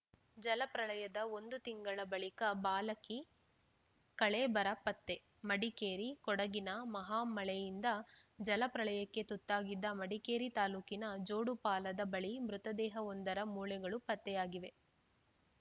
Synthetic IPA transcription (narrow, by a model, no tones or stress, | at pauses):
d͡ʒɐlɐpɾɐɭɐjɐd̪ɐond̪ut̪iŋɡɐɭɐbɐɭikɐbaːlɐki | kɐɭebɐɾɐpɐt̪ːe̞ | mɐɽikeːɾikɔɽɐɡinɐmɐɦaːmɐɭɛjind̪ɐd͡ʒɐlɐpɾɐɭɐjɐkːe̞t̪ut̪ːaːɡid̪ːɐmɐɽikeːɾit̪aːluːkinɐd͡ʒo̞ːɽupaːlɐd̪ɐbɐɭimɾut̪ɐd̪ɛːɦɐond̪ɐɾɐmuːlɛɡɐɭupɐt̪ːɛjaːɡiʋe̞